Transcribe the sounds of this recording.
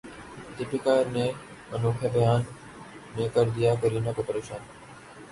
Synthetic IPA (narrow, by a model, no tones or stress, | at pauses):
t̪ɪpɪkaːɾnẽː | mɐnũːkʰeːbɪjaːnː | ẽːkəɾd̪ijaːkɐɾiːnɐkopəɾeːʃaːn